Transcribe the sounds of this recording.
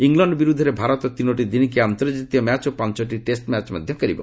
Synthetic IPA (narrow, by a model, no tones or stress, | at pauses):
iŋlɔɳɖbiɾud̪ʱɔɾebʱaɾɔt̪ɔt̪inoʈ̬id̪ink̬iant̪ɔɾd͡ʒit̪ijɔmat͡ʃopant͡ʃɔʈiʈesʈmat͡ʃmɔd̪ʱjɔkɔɾibɔ̰